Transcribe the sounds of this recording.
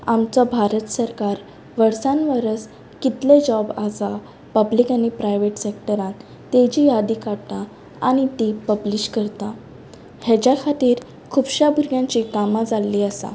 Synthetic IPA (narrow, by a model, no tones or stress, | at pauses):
amt͡sɔbʱaɾət̪səɾkaɾ | ʋəɽsãnʋəɾət͡s | kit̪led͡ʑɔbad͡za | pəblikañipɾajʋeʈsekʈəɾãt̪ | t̪ːed͡ʑijad̪ikaɽt̪a | añit̪ipəbliɕkəɾt̪a | hjɛt͡ɕakʰat̪iːɾ | kʰubɕabʱuɾɡjãɲt͡ɕikamad͡zalːiəsa̰